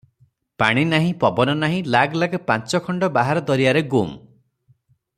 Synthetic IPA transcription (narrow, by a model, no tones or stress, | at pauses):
paɽ̃inaɦĩpɔbɔnɔnaɦĩlaɡlaɡɔpant͡ʃɔkʰɔɳɖɔbaɦaɾɔd̪ɔɾiaɾeɡum